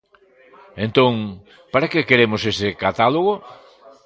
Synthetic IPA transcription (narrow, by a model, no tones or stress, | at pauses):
ẽnt̪õŋ | paɾakekeɾemosesɪkat̪aloɣo